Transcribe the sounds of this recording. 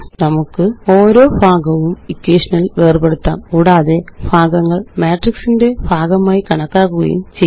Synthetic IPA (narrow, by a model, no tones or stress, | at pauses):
nɐmukːɨo̞ːɾo̞ːbʱaːɡɐʋumikːeːʂɐnɐlʋeːrbe̞ɽut̪ːa̰ːmkuːɽaːðe̞bʱaːɡɐŋːɐɭmaːʈriksinde̞bʱaːɡɐmaːjikɐɳɐkːaːkːuɣɐ̰jṵmt͡ɕe